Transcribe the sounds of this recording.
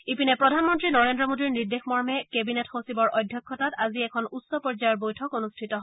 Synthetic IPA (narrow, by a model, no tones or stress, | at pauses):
ipinɛpɹɔdʱanmɔntɹinɔɹendɹɔmodiɹniɹdexmɔɹmɛkebinetxosibɔɹʔɔjdʱjɔkʰːɔtataziɛkʰɔnutsɔpɔɹzajɔɹbojtʰɔkonustʰitɔɦ